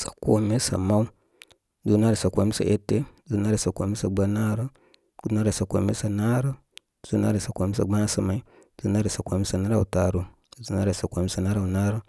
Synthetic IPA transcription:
sa˨ko̰˨mi˦sa̰˨ma˦u˦ | zu˦na˦ɾo˨sa˨ko˨mi˦sa̰˨ʔe˦tːe˦zu˦na˦ɾa˨sa˨ko˨mi˦sa˨ɡ͡ba˦na˦ɾo˦ | ɡu˦na˦ɾa˨sa˨ko̰˨mi˦sa˨na˦ɾo˦ | z̥u˦na̰˦ɾo˨sa˨ko˨mi˦sa˨ɡ͡ba˦sa˨ma˨i˦ | zu˦na˦ɾo˨sa˨ko˨mi˦sa˨na˦ɾa˨u˨ta˨ɾu˨˦ | zu˦na˦ɾa˨sa˨ko˨mi˦sa˨na˦ɾa˨u˨na˦ɾo˦

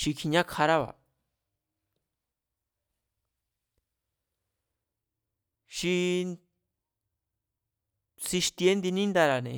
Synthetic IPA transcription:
ʃi˧kʰi˧ɲã˦kʰa˧ɾa˦βa̰˨ | ʃi˧ | si˧ʃt̪i˧e˦nd̪i˧nĩ˦nd̪a˧ɾa˨nḛ̃˨

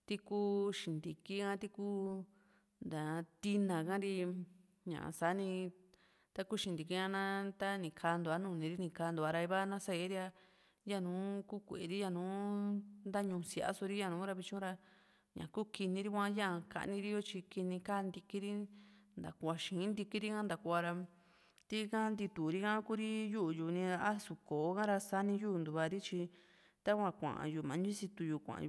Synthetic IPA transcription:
t̪i˦kuː˦ʃĩ˨nd̪i˨ki˦ã˦t̪i˦kuː˦ | nd̪a˨˧t̪i˧nã˨kã˦ɾi˧ | ɲã̰˨sa˨˦nĩ˧ | t̪a˦ku˦ʃĩ˧nd̪i˨ki˧˦ã˧nã˦t̪a˦nĩ˨kʰaː˧nd̪u˨a˦nũː˧˨nĩ˨˧ɾi˦nĩ˧˨kaː˧nd̪a˧ɾa˧i˧βa˦nã˦sa˧e˦ɾi˦a˧ | ja˦˨nũː˨˦ku˦kʷe˨ɾi˦ja˧˨nũː˨˦nd̪a˦ɲũ˧si˨ʔa̰˦so˧ɾi˦jã˧˨nũː˨˦ɾa˧βi˧t͡ʃũ˦ɾa˧ | ɲã̰˨ku˦ki˧nĩ˧ɾi˦kʷã˦jã˦˨ka̰˧ʔnĩ˧ɾi˦jo˦t͡ʃi˧ki˧nĩ˧ka˦˧nd̪i˧ki˦ɾi˦nd̪a̰˨kʷa˧ʃĩː˨˦nd̪i˧ki˦ɾi˦kã˦nd̪a˨kʷu˧a˧ɾa˧ | t̪i˦kã˦nd̪i˧t̪u˨ɾi˦kã˦ku˦ɾi˦ju˦˨juː˨nĩ˧ɾa˧a˦su˧˨koː˨˦kã˦ɾa˧sa˦nĩ˧juː˦˧nd̪u˧βa˧ɾi˦t͡ʃi˧ | t̪a˦kʷã˧kʷã̰˨ʔã̰˨juː˨mã˨˦nĩ˦si˧t̪u˧juː˨kʷã̰˨˧

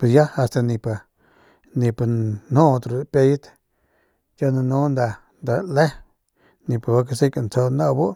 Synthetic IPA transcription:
pe˨sja˦a˧st̪a˧nĩ˧pa˨ | nĩ˧pa˧˨nũ˦˧t̪ɾu˨pe˧jt̪ | t͡ʃa˦na˧nũ˦nd̪a˧ | nd̪a˧le˦ | nĩ˧pa˨ba˧k̬a˧si˦ka˧˨nt͡so˧nã˦˧bo˦ʔ

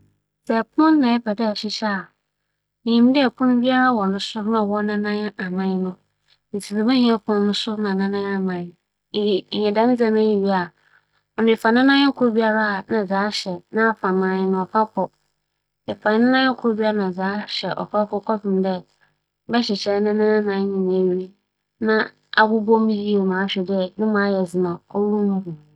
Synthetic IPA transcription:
sɛ˨pʰʊ̃˦n˦nã˨ɛ˦bʰɛ˨dɛ˦˨ɕɪ˨ɕɛ˦a˨ | ɲĩ˨˦m˦dɪ˦ɛ˨pʰʊ̃˦nʊ̃˦bi˦a˦ɾa˦wɔ˨nʊ̃˦sʊ˦nã˦˨wɔ˦nã˦nã˦ɲ˦a˨mã˦n˦nʊ̃˦ | n̩˨t͡sʰi˨be˨bɛ˦ɲĩ˦a˦pʰʊ̃˦nʊ̃˦nʊ̃˦sʊ˦nã˨nã˦nã˦a˦˨mã˨ | ɲɛ̃˨dã˦n˦d͡zã˦m˦ã˦ji˨ɥi˦a˨ | ɔ˨nʊ̃˨ɛ˨fa˨nã˦nã˦ŋ̩˦kʰʊ˦ɾbi˦a˦ɾa˦a˨nã˨zaː˨˦ɕɛ˨nã˦a˦fã˨mã˨jɪ˦nʊ̃˨ɔ˨fʰa˦pʰɔ˨ | e˨fã˨n˦nɪ̃˦nã˦kʰʊ˦o˦bi˦a˦ɾnã˨d͡zaː˨˦ɕɛ˨ʔɔ̰˨fa˦kɔ˦kʰɔ˦fɪ̃˨m˦dɛ˦ | bɛ˦ɕɪ˨t͡ɕʰɛ˦nɪ̃˦nã˦nã˦nã˨˦ɲĩ˨n˨e˨wi˦ɾi˦ | nã˦ | a˨ɡʊ˦bɔ˦mĩ˦ji˦o˨mã˨a˦ɕᶣɛ˨dɛ˦nʊ̃˦mã˨a˦jɛ˨zɪ˨mã˨ɔ˦wu˦mũ˦hu˨

